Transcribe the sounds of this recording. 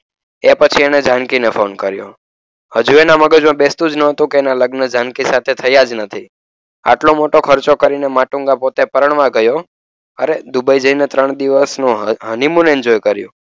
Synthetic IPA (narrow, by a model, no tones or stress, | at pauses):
epət͡ʃʰiened͡ʒankinefʰonkəɾjo̰ | həd͡ʒuenaməɡəd͡ʒmãbest̪ũd͡ʒnəɦət̪ũkeːnaləɡnəd͡ʒankisat̪ʰet̪ʰəjad͡ʒnət̪ʰi | a̰ʈlõmoʈokʰəɾt͡ʃokəɾinemaʈũŋɡapot̪epəɾəɳ̃ʋãɡəjo | əɾed̪ubəid͡ʒəinet̪ɾəɳ̃d̪iʋəsnũɦənimũnend͡ʒojkəɾjṵ̃